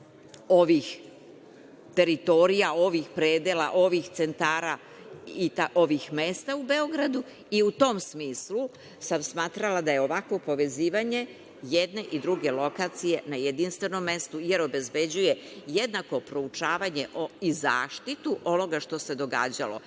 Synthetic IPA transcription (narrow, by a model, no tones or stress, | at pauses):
o̞ʋix | t̪e̞ɾit̪o̞ɾijao̞ʋixpɾeːd̪ela̰ʔo̞ʋixt̪se̞nt̪aːɾa | it̪aʔo̞ʋixmeːst̪aube̞o̞ɡɾad̪u | iut̪o̞ːmsmiːslu | samsmaːt̪ɾalad̪aje̞o̞ʋakʋo̞po̞ʋe̞ziːʋaɲe̞ | jed̪ne̞ʔid̪ɾuɡe̞lo̞kat̪sije̞najed̪inst̪ʋe̞no̞mːe̞st̪uje̞ɾo̞be̞zbe̞d͡ʑuje̞jed̪nako̞pɾo̞ut͡ʂaːʋaɲe̞ʔoiza̰ːʃt̪it̪uʔo̞no̞ɡaʃt̪o̞se̞d̪o̞ɡa̰ːd͡ʑa̰lo̰